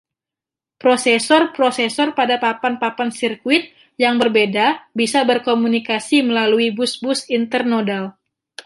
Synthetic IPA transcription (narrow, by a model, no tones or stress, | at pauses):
pɾosesɔrpɾosesɔrpadapapanpapansirkuɪt̪̚ | jaŋbərbedabisabərkomunikasiməlaluibʊsbʊsint̪ərnodal